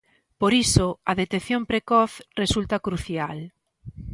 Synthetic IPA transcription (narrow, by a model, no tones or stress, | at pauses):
poɾisoɐðet̪eθjompɾekɔθresult̪ɐkɾuθjal